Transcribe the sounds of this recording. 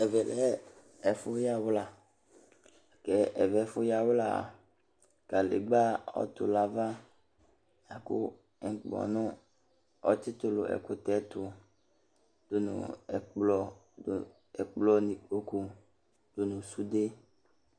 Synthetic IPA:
ɛ˨vɛ˨lɛ˦ | ɛ˨fʊ˦ja˦wla˨ | kɛ˨ʔɛ˨vɛ˨˦fʊ˦ja˦wla̰˨ | ka˨lḛ˨ɡ͡ba˦ɔ̰˦t̪ʊ̰˨la˦va˦ | ja˨kʊ̰˦˨˦ | k͡pɔ̰˨nʊ̃˦ | ɔ̰˦t͡ʃi˦t̪ʊ˦˨lʊ̰˨ʔɛ̰˨kʊ˦t̪ɛ˦t̪ʊ˨ | d̪̥o˨nʊ̰̃˨k͡plɔ˦˨ | ɛ˨k͡plɔ˦ni˨ko˦ku˦ | d̪̥o˨nʊ̃˨su˦de˦

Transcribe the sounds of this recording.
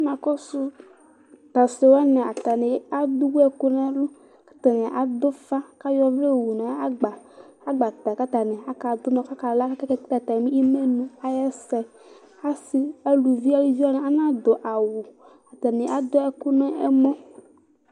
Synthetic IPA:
mã˨kɔ˦su˦ | t̪a˨se˨wa˦nɛ̃˨a˨t̪a˨nɛ̃˨˦a˦d̪u˦wu˦ɛ˦ku˦nã˦lu˦ | kḁ˦t̪a˨nɛ̃˨ʔa˨d̪o˦fa˦ka˦jɔ˦vle˦˨wu˨nã˨˦a˦ɡ͡ba˨a˦ɡ͡ba˨t̪a˨ka˦t̪a˨nɛ̃˨a˦ka˨d̪o˦nɔ̃˨ka˦ka˨la˦kke˦ke˦kta˨t̪a˨mĩ˦i˦me˦nũ˦a˦jɛ˦sɛ˨ | a˦si˦e˦lu˨vi˦a˦wi˦vi˦a˦nɛ̃˨a˦nã˦d̪o˨ʔa˨wu˨ | a˨t̪a˨nɛ̃˨a˦d̪o˦ɛ˦ku˦nɛ̃˦ɛ˦mɔ̃˦

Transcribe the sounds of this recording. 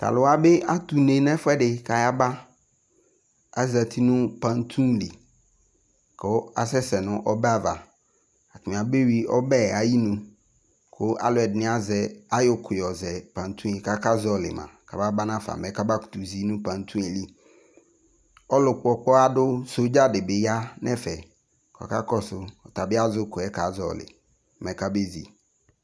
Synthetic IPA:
t̪a̰˨lʊ˨a˦be˦ʔa˦t̪u˨nẽ˨nɛ̃˦fʊ˦ɛ˦ɖɪ˨ka˨ja˦ba˦ | a˦za˨t̪ʰi˦nʊ̃˦pã˨n˦t̪ʰũ˦nli˨ | kʰo˦a̰˨sɛ˦sɛ˨nʊ̃˦ʔɔ˦ba˨va̰˨ | a˨ti˨mĩ˨a˨be˦wi˨ɔ˦bɛ˦a˨ji˦nũ˨ | kʰʊ˦ʔa̰˦lʊ˨ɛ˨dnɪ̃˦a˦˨zɛ˨a˦jʊ˨kʰʊ˨jɔ˨zɛ˨pã˨n˨t̪ʰũ˦e˨ka˦ka˦zɔ˦lɪ̰˨mã̰˨ka˨ba˦ba˦nã˦fa̰˨mɛ˨˦ka˦ba˦ku̥˨t̪u˨zi˦nũ˦pã˨n˨˦t̪ʰũ˦e˨li˦ | ɔ˦lʊ˨k͡pɔ˦k͡pɔ˦a˦dʊ˦sʊ˦d͡ʒa˦dɪ˨bɪ˨ja˦nɛ̃˦fɛ˨ | kʰɔ̰˨ka˦kɔ˦sʊ˨ɔ˨t̪a˨bɪ˦a˦zʊ˦kʊ˨ɛ˦ka˨zɔ̰˦lɪ̰˨ | mɛ̃˨ka˦be˦zḭ˨

